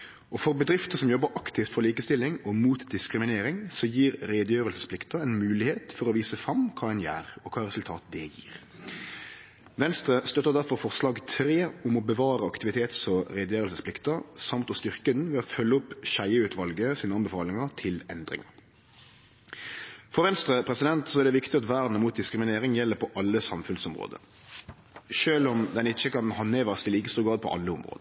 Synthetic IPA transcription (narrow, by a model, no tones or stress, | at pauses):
ʔɔfɔɾbəd̪ɾɪft̪əsɔmjɔbːəɾʔɑkt̪ɪft̪fɔʁliːkəst̪ɪlːɪŋɔmuːt̪d̪ɪskɾɪmɪneːɾɪŋsɔjiːɾɾeːd̪əjøːʁəlsə̥spʰlɪkt̪əɛɪnmʉːlɪheːt̪fɔɾɔʋiːsəfɾɑmkʰɑːɛnjæ̰ːɾɔkʰɑːɾɛsʉlt̪ʰɑːt̪̚d̪ɛjḭːɾ | ʋɛnst̪ɾəst̪œt̪ːəʁd̪æʁfɔɾfɔʁslɑːɡt̪ʰɾeːʊmɔbəʋɑːɾəɑkt̪ɪʋɪt̪ʰeːt̪sɔɾɛːd̪əjøːɾəlsəsplɪkt̪əsɑmt̪ɔst̪ʏʁkəd̪nʋɛːɔfœlːəʊpːʃæɪəʉːt̪ʰʋɑlɡəsiːnəɑnbəfɑːlɪŋəʁt̪ʰɪlɛnd̪ɾɪ̰ŋɑ̰ɾ | fɔʁʋɛnst̪ʁəpʰʁɛsɪd̪ɛnt̪sɔɛʁd̪ɛʋɪkt̪ɪɑt̪ʋæːʁd̪nəmuːt̪̚d̪ɪskɾɪmɪneːɾɪŋjɛlːəpʰɔʔɑlːəsɑmfʉnsɔmʁo̰ːd̪ə̰ | ʃøːlɔmd̪ɛnɪt͡ʃːəkɑnhɑneːʋæʁst̪ʰɪliːkəst̪uːɡɑːd̪pʰɔ̰ʔɑ̰lːəʊmʁo̰ːd̪ə